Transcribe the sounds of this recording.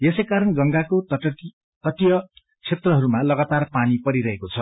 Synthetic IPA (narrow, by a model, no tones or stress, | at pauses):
jesejkaɾʌnɡʌŋɡakot̪ʌʌ | t̪ʌʈjʌ | t͡sʰet̪rʌɦʌɾumalʌɡat̪arpanipʌɾiɾʌɦekot͡sʰʌ